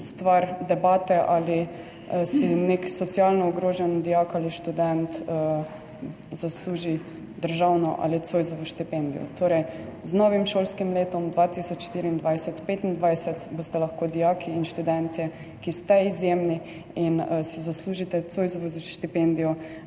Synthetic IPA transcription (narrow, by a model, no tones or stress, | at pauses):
st̪ʋaɾd̪ɛbaːt̪ɛʔali | sineksɔt̪sialnɔɔɡɾoːʒɛnd̪ijakaliʃt̪ud̪ɛnt̪ | zasluːʒi | d̪əɾʒawnɔʔa̰lit̪sojzɔʋɔʃt̪ipend̪ijɔ̰t̪ʰoːɾɛjznɔʋimʃoːlskimleːt̪ɔmd̪ʋat̪isɔt͡ʃʃt̪iːɾiːnd̪ʋajsɛt̪pet̪ind̪ʋajsɛt̪bost̪ɛlaxkoːd̪ijakʰiːnʃt̪ud̪ɛnt̪ɛ | kist̪ɛizjeːmni | insɛzasluːʒit̪ɛt̪sojzɔʋozʃt̪ipend̪ijɔ